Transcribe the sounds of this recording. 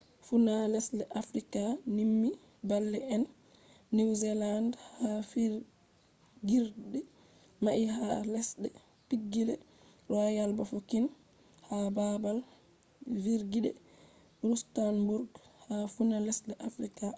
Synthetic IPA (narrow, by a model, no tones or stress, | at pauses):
funalɛslɛʔafɾikanimːi | balːɛɛnː | iwzɛlandhhafi | ɡiɾdɛ | maʔihalɛsɗɛ | piɡːilɛ | ɗɔajalbafokin | hababal | viɾɡiɗɛ̰ | ɾustanbuɾɡhafunalɛslɛʔafɾika